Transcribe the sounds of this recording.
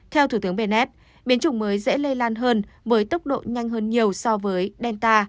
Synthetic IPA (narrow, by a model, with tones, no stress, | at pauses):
t̪ʰɛ˧wt̪ʰu˧˩t̪ɨ˨˦əmɓe˧nɛ˦˥t̚ | ɓi˨˦ənt͡ɕʊ˧˩ŋ͡mməː˨˦jzɛ̰˧˥lə˧jlaː˧nɦəː˧nvəː˨˦jt̪ə˦˥wk͡p̚ɗo̰˧˨ɲa˧jŋ̟ɦəː˧nɲi˨˩əwsɔ˧vəː˨˦jɗɛ˧nt̪aː˧